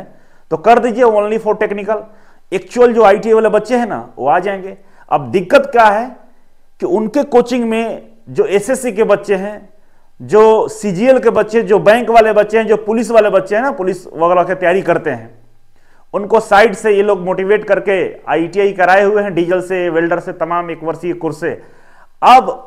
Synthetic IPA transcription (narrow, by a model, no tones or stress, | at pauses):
t̪okɐɾd̪iːd͡ʒieõːnlifoːʈeːknɪkəl | eːk̚t͡ʃuəld͡ʒoːaːiʈiʋaːlebɐtːʃeɦɛ̃na̰ʋo̰ːaːd͡ʒaːẽːŋɡe | ɐ̰b̚d̪ɪkːət̪kjaɦɛ | kiʊnkekoːt͡ʃɪ̃ŋɡmẽ | d͡ʒoːeːsesikebɐtːʃeɦɛ̃ | d͡ʒoːsiːd͡ʒiːelkebɐtːʃed͡ʒoːbɛ̃ːŋkʋaːlebɐtːʃeɦɛ̃d͡ʒoːpʊlɪs̬ʋaːlebɐtːʃeɦɛ̃napʊlɪsʋɐɣɛːɾaket̪ɐjaːɾikɐɾt̪eɦɛ̰̃ː | ʊnkosaːɪɖsejeloːɡmoːʈiʋeːʈkɐɾkea̰ːiʈiaːikɐɾaːeɦʊeɦɛ̃ɖiːd͡ʒəlseʋeːlɖəɾset̪ɐmaːmeːkʋɐɾsikʊːɾsḛ | ɐb